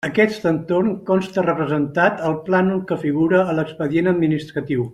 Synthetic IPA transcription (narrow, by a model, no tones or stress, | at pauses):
əkɛst̪ənt̪ornkɔnst̪ərəpɾəzənt̪at̪əlˠplanukəfiɣuɾəːləkspəðienəd̪minist̪ɾət̪iw